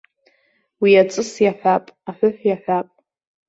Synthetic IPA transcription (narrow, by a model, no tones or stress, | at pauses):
wiat͡sʼɨsjaħʷᶣapʼaħʷʊħʷjaħʷapʼ